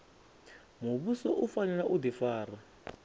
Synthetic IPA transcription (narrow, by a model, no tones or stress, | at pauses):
muβusɔʔufanɛlaʔud̪ifaːra